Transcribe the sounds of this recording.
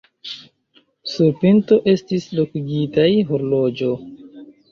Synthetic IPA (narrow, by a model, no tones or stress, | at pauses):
suɾpinto̞ʔe̞stislokuɡitajɦoɾlo̞d͡ʒo̞